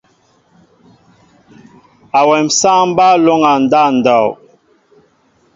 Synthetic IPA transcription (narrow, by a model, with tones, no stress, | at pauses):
a˨wɛ˨msa˦m˦ba˦lo˦ŋa˨n˨da˦˨n̩˨dɔ˨w